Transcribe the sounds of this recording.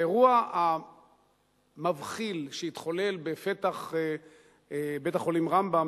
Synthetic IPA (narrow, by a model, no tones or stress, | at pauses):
eʁuaa | mavχilʃeit̪χo̞le̞lbefet̪aχ | be̞t̪aχo̞limʁambam